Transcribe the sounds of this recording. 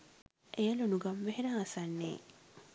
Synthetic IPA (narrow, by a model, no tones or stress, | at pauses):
ʔejɐlunuɡɐmʋeɦeɾaːsanːḛː